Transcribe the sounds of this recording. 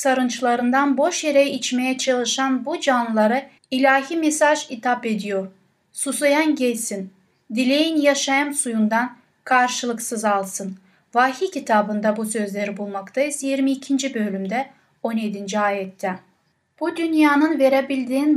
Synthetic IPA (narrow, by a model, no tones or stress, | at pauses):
saɾɯnt͡ʃʰlˠaɾɯnd̪anbo̞ʃjeɾejiit͡ʃme̞jɛt͡ʃʰalˠɯʃanbud͡ʒanlɯlˠaɾɯ | ilʲaːɦimesaʒit̪ʰape̞d̪ijo̞ɾ | susajanɟɛlʲsin | d̪ilʲejinjaʃajɯmsujund̪an | kʰaɾʃɯlˠɯksɯzalˠsɯn | vaːɦicʰit̪ʰaːbɯnd̪abusø̞zlʲe̞ɾibulˠmakt̪ʰajisɛjiɾmiːcʰind͡ʒibølʲymd̪ɛ | o̞njed̪ind͡ʒiaːjɛt̪ʰːɛ | b̥ud̪ynjaːnɯnve̞ɾebilʲd̪iːn